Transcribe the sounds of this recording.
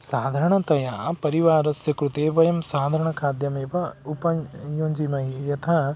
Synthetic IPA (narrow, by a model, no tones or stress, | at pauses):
saːd̪ʱɐɾɐɳ̃ɐt̪ɐjaːpɐɾiʋaːɾɐsjɐkɾut̪eːbɐjɐmsaːd̪ʱɐɾɐɳ̃ɐkʰaːd̪jɐmeːʋɐupɐjoːɲd͡ʒimɐɦijɐt̪ʰɐ